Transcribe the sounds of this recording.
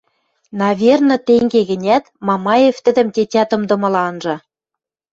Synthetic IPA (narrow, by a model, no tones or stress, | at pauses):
nɑvʲernɤ̆t̪eŋɡeɣɘ̆nʲæt̪mɑmɑjeft̪ɘ̆d̪ɘ̆mt̪ʲetʲæt̪ɤ̆md̪ɤ̆mɤ̆lɑnʒɤ̆